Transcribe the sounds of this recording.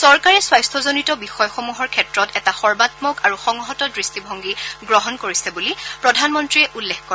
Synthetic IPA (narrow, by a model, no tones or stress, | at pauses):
sɔɹkaɹɛswajstʰɔzonitɔbixɔjɔxomuɦɔɹkʰɛtɹɔtɛtaxɔɹbatmɔkaɹuxɔŋɔɦɔtɔdɹistibʱɔŋɡiɡɹɔɦɔnkoɹisɛbulipɹɔdʱanmɔntɹiɛʔulːɛxkɔɹ